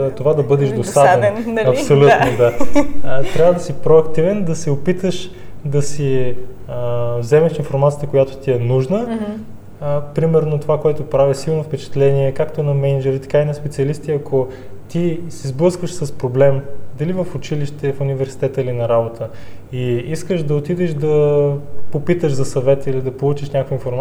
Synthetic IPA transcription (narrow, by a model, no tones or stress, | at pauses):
t̪ovad̪ɐbɤd̪ɛʒd̪ost̪avɛnnɐssolʲut̪nod̪a | t̪ɾʲjavəd̪ɐsipɾoɐkt̪ivɛnd̪ɐsɛopit̪əʃ | d̪ɐsi | vzɛmɛʃinfoɾmat̪sijət̪əkojat̪o̥t̪iɛnuʒnə | pɾimɛɾnot̪ovakoɛt̪opɾavisilˠnofpɛt͡ʃɛ̥t̪lɛniɛkakt̪onɐmɛnɐd͡ʒɛɾit̪ɛ̥kainɐspɛt̪siɐlist̪iɐkʰo | t̪isizblˠɤskvəʃsɐspɾoblɛmd̪ɐlivəfʊt͡ʃiliʃt̪ɛfʊnivɛɾsi̥t̪ɛt̪əilinɐɾabot̪ʰəiiskəʃd̪ɐot̪id̪ɛʃd̪ɐ | popit̪əʒzɐsɐvɛt̪ilid̪ɐpolˠut͡ʃiʃnʲakəkvəinfoɾma